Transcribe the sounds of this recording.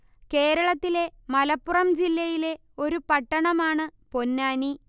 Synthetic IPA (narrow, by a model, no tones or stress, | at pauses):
ke̞ːɾɐɭɐt̪ːile̞mɐlɐpːurɐmd͡ʑilːɐjile̞ | o̞ɾupɐʈːɐɳɐmaːɳɨpo̞nːaːni